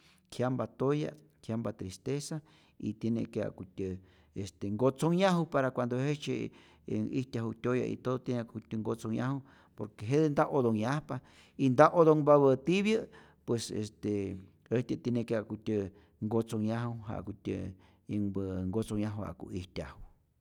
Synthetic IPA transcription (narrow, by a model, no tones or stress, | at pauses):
kʰjambat̪oja̰ | kʰjambat̪ɾist̪esa | it̪jenẽkea̰kʷut̪ʲə | est̪eŋɡot͡soŋɲãɦupaɾakʷand̪ohet͡ʃe | ḭt̪ʲaɦut̪ʲoja̰ʔḭt̪oðot̪jenẽkutʲəŋɡot͡soɲã̰hu | poɾkeɦeðend̪aʔoðoŋɲãhpa | ind̪aʔoðoŋbaβət̪iβjə | pwesḛst̪e | et̪ʲət̪enẽkeakʷut̪ʲə | ŋɡot͡soŋɲãɦuɦa̰ʔkutʲə̰ | iŋbəŋɡot͡soɲãɦuha̰kṵihtʲahu